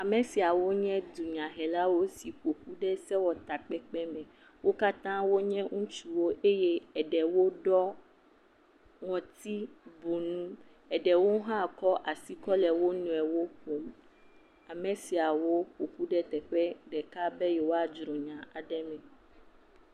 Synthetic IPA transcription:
a˨mẽ˨si˨a˨wo˦ɲɛ̃˦d̪u˨ɲã˨ɦɛ˨la˦wo˦si˨ɸo˨ɸu˦ɖɛ˦sɛ˦wɔ˨t̪a˨k͡pɛ˦k͡pɛ˦mɛ̃˨ | wo˦ka˦t̪ã˦wo˦ɲɛ̃˦ŋũ˦t͡ʃu˦wo˦ʔe˦jɛ˦ɛ˨ɖɛ˨wo˦ɖɔ˦ | ŋɔ̃˨t̪i˦bo˨nũ˦ | ɛ˨ɖɛ˨wo˦ɦã˦˨kɔ˦ʔa˨si˦kɔ˦lɛ˨wo˦nũ˨ɛ˨wo˦ɸo˨m | a˨mẽ˨si˨a˨wo˦ɸo˨ɸu˦ɖɛ˦t̪ɛ˨ɸɛ˦ɖɛ˨ka˦bɛ˦jɛ˨wo˦a˨d͡ʒɾɔ̃˨ɲã˨a˨ɖɛ˦mɛ̃˨

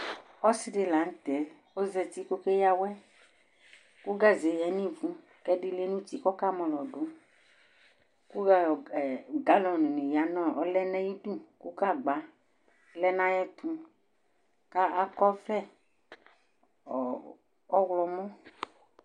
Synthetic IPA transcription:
ɔ˦si˦de˨la˨˦ŋ̩˦t̪ɛ˨ | wo˦zɛ˨t̪i˦ko˦ke˦ja˦wɛ˦ | ku˦ɡa˦zɛ˨jɛ˨˦nĩ˦vũ˦ | kɛ˦ɖi˦le˦nũ˦ti˦kɔ˦ka˦mɔ̃˨lɔ˨ɖo˨˦ | ku˦˨ɡa˦lɔ˨nũ˨nĩ˨ja˨˦nɔ̃˦ɔ˦lɛ˦nɛ̃˦ji˦du˦ku˦ka˦˨ɡ͡ba˨ | lɛ˦nã˦jɛ˦t̪ũ˨˦ | ka˦ʔa˦kɔ˦vɛ˦˨ | ɔ˦wlɔ˨mɔ̃˦

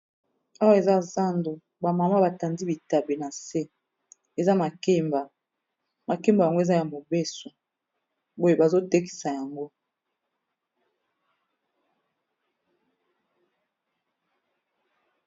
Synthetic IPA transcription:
a˦wa˦e˨za˦za˦ndo˨ | ba˨ma˨ma˦ba˨ta˨ndi˦bi˨ta˨be˨na˨se˦ | e˨za˦ma˨ke˦mba˨ | ma˨ke˦mba˨ja˨ŋɡo˦e˨za˦ja˨mo˨be˦so˨ | bo˦je˨ba˨zo˦te˦ki̥˨sa˨ja˨ŋɡo˦

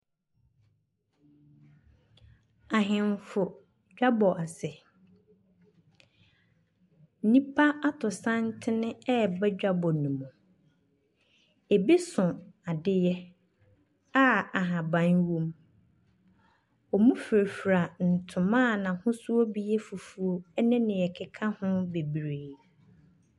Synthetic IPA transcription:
a˨ɦɪ̃˨mfʊ˨ | d͡ʑᶣa˦bɔ˨ʔa˨sɛ˨˦ | nĩ˦pʰa˦a˦tʰʊ˨sã˦ntʰɪ˦nɪ̃˦ɛ˦˨bɛ˦d͡ʑᶣa˦bɔ˨nũ˨mũ˨ | e˨bi˦sʊ̃˨a˨dɪ˦jɛ˦ | a˦a˨ɦã˨bã˨nwõ˦m | ɔ˨mũ˦fe˨ɾfɾa˨n̩˨tʰʊ̃˨mã˦˨nã˨hʊ̃˦sʊ˦o˦bi˦jɛ˦fu˨fu˨o˦ɛ˦nɪ̃˦nɪ̃˨ɛ˨kʰɪ˦kʰa˦hʊ̃˦be˨bɾeː˨

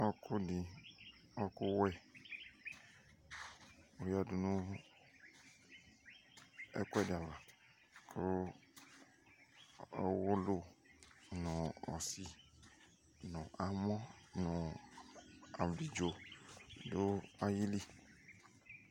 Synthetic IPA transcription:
ɔ˦ku˦ɖi˨ | ɔ˦ku˦wɛ˦ | o˦ja˨ɖu˨nũ˦ | ɛ̰˦ku˦ɛ˦˨de˨a˨va˨ | kʰo˦ | ɔ˦wo˦lu˦ | nɔ̃˨ɔ̰˨si˦ | nɔ̃˨ʔa˨mɔ̃˦nɔ̃˨ | a˨bli˨d͡ʒo˨ | do˦a˦ji˦li˦

